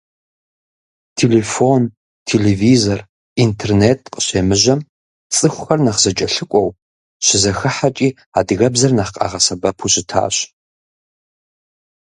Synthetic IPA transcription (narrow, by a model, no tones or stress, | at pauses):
tʰeːlefon | tʰeleviːzor | intʰerneːtʰqʼə̥ɕeːmɨʑɐm | t͡sʼɨxʷʊxɐrnɐχzɐt͡ʃʼɐɬɨkʷʼɔw | ɕɪzɐxɨħat͡ʃʼiː | a̰ːdɨɣɐbzɐrnaχqʼɑ̰ʁɐsɐbɐpʰuɕɪtʰa̰ːɕ